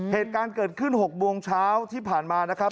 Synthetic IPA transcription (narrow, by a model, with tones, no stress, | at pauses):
heː˨˩t̪̚kaː˧nkɤː˨˩t̪̚kʰɯ˥˩nho˨˩k̚bu˧əŋt͡ɕʰaː˦˥wt̪ʰiː˥˩pʰaː˨˩nmaː˧na˦˥kʰɾa˦˥p̚